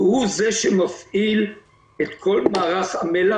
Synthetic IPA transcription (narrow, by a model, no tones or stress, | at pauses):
huzeʃemafʔil | et̪kʰo̞lmaːʁaχhamela